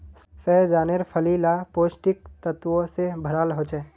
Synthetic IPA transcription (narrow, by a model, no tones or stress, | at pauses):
sɛːd͡ʒaːneɾpʰəlilapoːsʈɪk̚t̪ət̪ʋõsebʱəɾaːlɦoːt͡ʃɛ